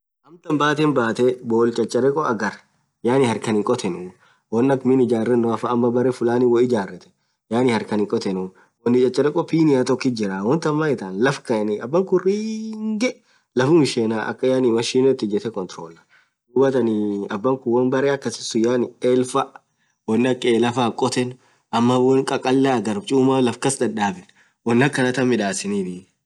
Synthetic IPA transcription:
ʔɐmt̪ɐmbaːt̪ɛnbaːt̪ɛboːlt͡ʃʼɐt͡ʃʼɐɾɛkʼɔɐɡɐɾ | jaːnɪhɐɾkɐnɪŋkʼɔt̪ʰɛnʊ | wɔnːɐkmɪnɪd͡ʒaːrːɛnːɔɐfɐːmːɐbɐɾɛfʊlaːnɪwɔɪd͡ʒaːrːɛt̪ɛ̥ | jaːnɪhɐɾkɐnɪŋkʼɔt̪ɛnʊ | wɔnːɪt͡ʃʼɐt͡ʃʼːɐɾɛkʼɔpiːnɪjat̪ɔkːid͡ʒɪɾawɐnt̪ɐmːaːɪt̪aːnlɐfkɐnɪɐbːɐŋkʊriːŋɡɛ | lɐfʊmɪʃeːnaːʔɐ̰kːɐjaːnɪmɐʃiːnot̪ːɪd͡ʒɛt̪ɛkɔnt̪ɾo̰ːlɐ̥ | ᶑuːbɐt̪ɐnɪɐbːɐŋkʊwɐnbɐɾeːɐkːɐsɪ̥sʊjaːnɪeːlfɐʔ | wɔnːɐkʼːeːlɐfaːkʼɔt̪ɛn | ʔɐmːɐwɔnkʼɐkʼɐlːaɡɐɾbt͡ʃʼuːmaːlɐfkɐsd̪ɐᶑaːbɪn | wɔnːɐkːɐnɐt̪ɐmːɪᶑaːsɪniːfɪ

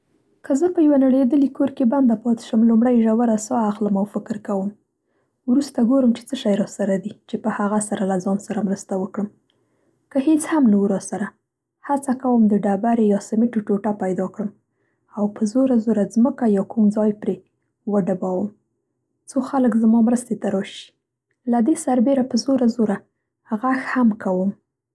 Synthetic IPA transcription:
kəzəpəjawanaɽed̪əlikoɾkeband̪apɑt̪ɪ̥ʃəmlumɽajʒawaɾasɑaxləmawfɪkɾkawəm | wɾust̪aɡoɾəmt͡ʃe̥t͡səʃajɾɑsaɾad̪it͡ʃepəhaɣasaɾalazɑnsaɾamɾəst̪awəkɽəm | kəhet͡shamnawuɾɑsaɾa | hat͡sakawəmd̪əɖabaɾejɑsamiʈuʈoʈapajd̪ɑkɽəm | awpəzoɾazoɾazməkajɑkumd͡zɑjpɾe | wəɖabɑwəm | t͡soxaləkzmɑmɾəst̪et̪aɾɑʃi̥ | lad̪esaɾbeɾapəzoɾazoɾa | haɣaxhamkawəm

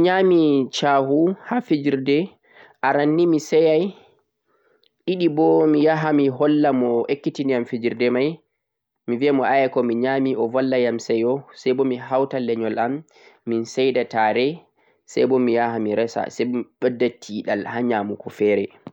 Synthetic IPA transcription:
ɲamit͡ʃaɦuhafid͡ʒiɾdɛ | ʔaɾanːimisɛjaj | ʔiɗibɔmijaɦamiɦɔlːamɔʔekːitiniamfid͡ʒiɾdɛmaj | miviamɔʔajakɔmiɲamiʔɔvɔlːajamsɛjɔsɛjbɔmiɦawtalːɛɲɔlʔamː | insɛjdataːɾɛ | sa̰jbɔmijahamiɾɛsa̰sɛbɔmiɓɛdːatʰiɗalhaɲaːmukʰɔfɛːɾɛ

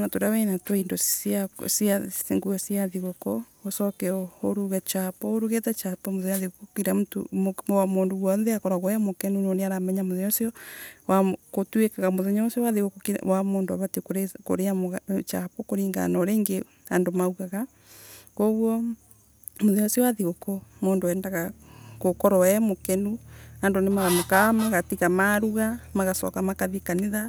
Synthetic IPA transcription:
natoɾawɛnatwaindɔsiasaŋɡuɛsiaðiɣokɔosɔkɛohoɾuɣɛt͡ʃapɔoɾuɣetɛt͡ʃapɔmoðɛɲaðeɣokokiɾamuto̰mmwamoːndoɣwɔnðɛakɔɾaɣɔjamokɛnunoneaɾamɛɲamoðɛɲɔsiɔwakotwekaɣamoðeɲɔsiɔwaðeɣokokewamoːndoaβatkoɾeko̰ɾeamt͡ʃapokoɾiːŋɡa̰nɔɾeːŋɡe | andomauɣaɣa | koɣwɔ | moðɛɔsiɔwaðeokɔmoːndoɛːndaɣakokɔɾɔwɛmokɛnuandonemaɣamokamaɣatiɣamaɾuɣamaɣasɔ̰kamakaðikaneða

